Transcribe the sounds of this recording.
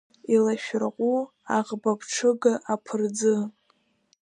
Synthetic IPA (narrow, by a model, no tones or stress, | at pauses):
ilaʃᶣrqʷʼu | aʁbapʰʈ͡ʂʰɨɡaʔapʰɨrd͡zɨ